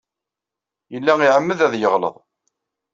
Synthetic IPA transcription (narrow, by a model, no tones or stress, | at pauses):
jəlːæiʕəmːəðæðjəʁlə̰ðˤ